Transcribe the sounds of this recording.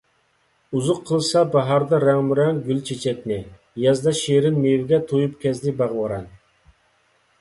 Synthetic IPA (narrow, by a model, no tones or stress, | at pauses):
uzʊqʰːəlˠsɑbɑɦɑɾd̪ɑɾæŋmuɾɛŋɡʲylt͡ʃʰet͡ʃʰɛkʲnɪ | jɑzd̪ɑʃeɾɪnmewɪɡʲɛt̪ʰojupkʲɛzd̪ɪbɑʁwɑɾɑn